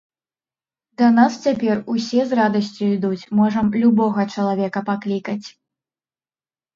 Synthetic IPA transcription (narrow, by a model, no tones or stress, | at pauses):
d̪ɐnast͡sʲapʲɛrusʲɛzrad̪ɐsʲt͡sʲuid̪ut͡sʲmɔʐɐmlʲubɔɣɐt͡ʂɐlˠavʲɛkɐpaklʲikɐt͡sʲ